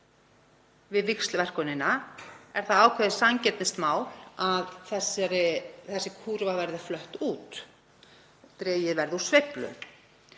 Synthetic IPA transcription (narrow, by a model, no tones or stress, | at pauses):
vɪðvɪkst̪lvɛr̥kɔnɪnaɛɾ̥θaðaːwkʰvɛðɪsaŋcɛt̪nɪst̪maːwlaðθɛsɾɪθɛsːɪkʰuːɾvavɛɾðɪflœht̪uːt̪ | t̪ɾɛːjɪðvɛɾðusvejplʏ̰